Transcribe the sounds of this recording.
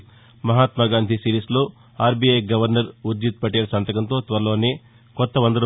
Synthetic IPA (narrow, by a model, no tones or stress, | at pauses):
mɐɦaːt̪mɐɡaːnd̪ʱisiɾiːsloː | aːɾbiejɡɐʋɐɾnɐɾuɾd͡ʒ̪it̪̚pɐʈːeːɾɐsɐnt̪ɐkɐnt̪o̞ːt̪ʋɐɾɐlo̞ːneː | kɔt̪ːɐʋɐnd̪ɐɾɐ